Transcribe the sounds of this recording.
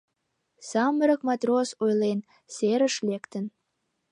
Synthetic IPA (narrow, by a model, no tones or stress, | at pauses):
sɑməɾəkmɑt̪rosojlen | seɾəʃlekt̪ən